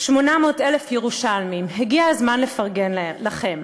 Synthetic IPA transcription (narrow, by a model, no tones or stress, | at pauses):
ʃmonamoːtelefjeʁuʃalmimɦeɡiazmanle̞faʁɡenlaχe̞m